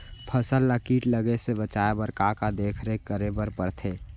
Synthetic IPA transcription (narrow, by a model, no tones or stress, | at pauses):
pʰəsəlːakiːʈləɡesebət͡ʃaebəɾkakad̪eːkʰɾekəɾebəɾpəɾt̪ʰe